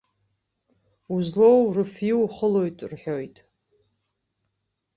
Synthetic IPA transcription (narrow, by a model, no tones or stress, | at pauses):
uzlowrɨfiwχəlojtʼrħojtʼ